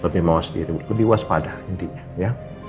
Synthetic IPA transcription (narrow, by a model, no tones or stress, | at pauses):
t̪apimawasədḭɾiləbɪuaspadaənt̪iɲaja